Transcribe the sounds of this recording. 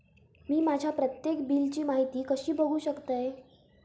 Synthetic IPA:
miːmad͡ʑʱjapɾət̪jekbiːlt͡ɕiːmaɦit̪iːkəɕiːbʱəɡʱuːɕəkt̪əj

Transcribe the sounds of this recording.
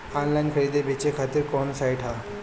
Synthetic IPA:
ɔnlajnkʰəɾid̪ebʱet͡ɕekʰat̪iɾkɔnsajʈʰɦa

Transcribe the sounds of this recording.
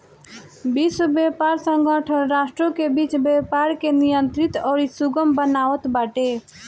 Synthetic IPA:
bisəbepaɾsə̃ŋɡʱəʈʰənɾasʈɾõkebit͡ʃbepaɾkenijənt̪ɾit̪ɔːɾisuɡəmbənaʋət̪baʈe

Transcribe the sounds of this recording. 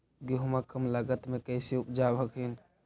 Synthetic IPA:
ɡeɦumakəmləɡət̪mekəɪsiupd͡ʒabʱəkɦin

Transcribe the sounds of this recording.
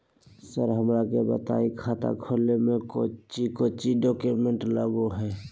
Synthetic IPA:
səɾɦəmɾakebə̰t̪a̰ːikʰaːt̪a̰kʰoːlemẽkot͡ʃikoːt͡ʃiɖɔːkjʊmẽɳʈlaːɡuɦɛː

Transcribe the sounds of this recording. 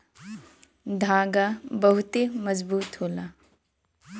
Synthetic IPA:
d̪ʱaːɡabəɦʊt̪emɐzbuːt̪ɦoːla

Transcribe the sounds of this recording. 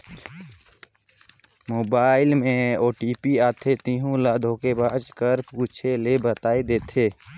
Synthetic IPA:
moːbaːɪlmẽoːʈiːpiaːt̪ʰet̪ĩɦũlaːd̪ʱokebaːd͡ʒkəɾpuːt͡ʃʰelebət̪aːed̪eːt̪ʰeː

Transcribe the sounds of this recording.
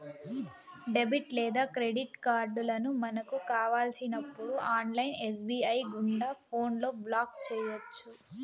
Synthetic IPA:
ɖe̞biʈlɛːd̪aːkɾeɖiʈkaːɾɖulɐnumɐnɐkukaːʋaːlsinɐpːuɽuʔaːnlɐjnes̬biːɐjɡuɳɖaːpʰoːnlo̞ːblaːkt͡ʃɛːjɐt͡ʃːu

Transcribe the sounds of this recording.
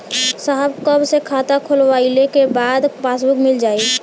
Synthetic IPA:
saɦəbkəbsekʰat̪akʰʊlʋailekebaːd̪paːsbʊkmɪld͡ʒaːi

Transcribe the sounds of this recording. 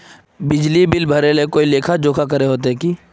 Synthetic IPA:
bɪd͡ʒlibɪlbʱəɾelekoːileːkʰad͡ʒoːkʰakəɾeɦoːt̪̬eɦɛkiː

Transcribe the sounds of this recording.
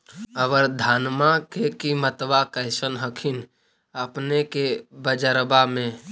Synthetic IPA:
əʋəɾd̪ʱaːnmakekimət̪ʋakəɪsənɦəkʰin | əpnekebəd͡ʒəɾbamẽ

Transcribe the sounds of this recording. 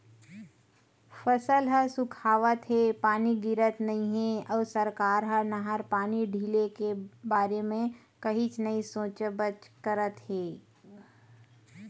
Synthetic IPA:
fəsəlɦəsʊkʰaːʋət̪ɦepaːniɡɪɾət̪nɐɦĩɦeɔːɾsəɾkaːɾɦənəɦaɾpaːniɖʱiːlekebaːɾemẽ | kɐɦit͡ʃnɐĩsõːt͡ʃəbət͡ʃkəɾət̪ɦeː

